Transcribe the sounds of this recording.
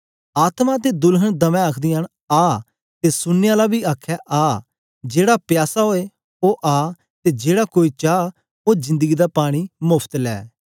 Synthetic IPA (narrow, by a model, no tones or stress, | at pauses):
aːt̪mat̪̬ed̪ʊlɦənd̪əmɛ̃aːkʰd̪iən | aː | t̪eːsʊnːɪjãlabiːaːkʰːɛʔaː | d͡ʒeːɽapjaːsaɦoːe | oːʔaː | t̪eːd͡ʒeːɽakoːiːt͡ʃaː | oːd͡ʒɪ̃nd̪əɡiːd̪aːpaːɽ̃imʊpʰt̪lɛ̰ː